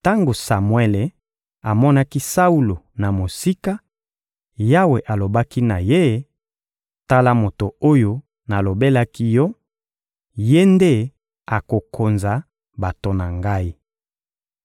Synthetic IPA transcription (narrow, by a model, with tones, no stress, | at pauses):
ta˦ŋɡo˨sa˨mwe˦le˨ | a˨mɔ˦na˦ki˦sa˦u˦lo˨na˨mo˨si˦ka˦ | ja˦we˨ʔa˨lo˨ba˦ki˦na˨je˦˨ | ta˦la˦mo˨to˨o˦jo˦ | na˨lo˨be˦la˦ki˦jɔ˦ | je˦nde˦ | a˨ko˨kʰo˨nza˨ | ba˨to˨na˨ŋɡa˦i˦